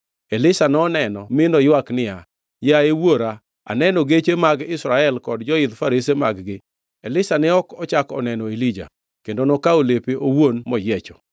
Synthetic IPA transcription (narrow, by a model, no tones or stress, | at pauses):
elɪsanɔnɛnɔmɪnɔjwaknɪa | jaewoɾa | a̰nɛnɔɡet͡ʃemaɡɪsɾaɛlkɔdd͡ʒɔɪd̪faɾɪsema̰ɡɡɪ | elɪsanɪɔkɔt͡ʃakɔ̰nɛnɔilid͡ʒa̰ | kendonɔkaolepeʔowonmɔjɛt͡ʃɔ